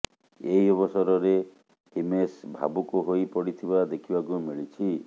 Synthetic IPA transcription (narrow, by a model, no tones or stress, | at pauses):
eiɔβɔsɔɾɔɾe | himesbʱa̰bukuɦojpɔɽit̪ʰibad̪ekʰibakumiɭit͡ʃʰi